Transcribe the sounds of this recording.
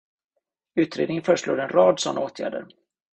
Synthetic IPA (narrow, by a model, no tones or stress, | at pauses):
ʉ̟ːt̪ɾḛːd̪ɪənfœːɾəʂluːd̪ɛnɾɑːd̪sɔnːaoːt̪ʰjæ̰ːɖə̰ɾ